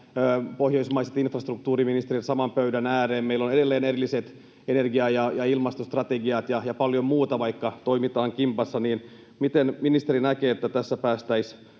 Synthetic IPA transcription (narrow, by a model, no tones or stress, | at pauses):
øːpohjo̞ismɑiset̪infrɑst̪ruk̚t̪uːɾiminist̪eit̪sɑmɑmpøydænæːreːmmeilːonedelːeːnerilːiset̪ | enerɡiɑjɑjɑilmɑst̪ost̪rɑt̪eɡiɑt̪jɑjɑpɑljommuːt̪ɑʋɑikːɑt̪oimit̪ɑːŋkimpɑsːɑniːn | mit̪enminist̪eɾinækeːet̪ːæt̪æsːæpæːst̪æis